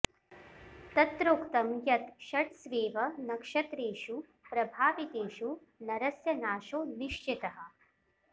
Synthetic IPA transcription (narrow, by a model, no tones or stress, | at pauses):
t̪ɐt̪ɾoːkt̪ɐmjɐt̪ʃɐʈsʋeːʋɐnɐkʂɐt̪ɾeːʃu | pɾɐbʱaːʋit̪eːʃu | nɐɾɐsjɐnaːʃoːniʂt͡ʃit̪ɐɦɐ̆